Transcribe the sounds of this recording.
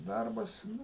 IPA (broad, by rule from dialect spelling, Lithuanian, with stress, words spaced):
ˈdɐrbɐs ˈnʊ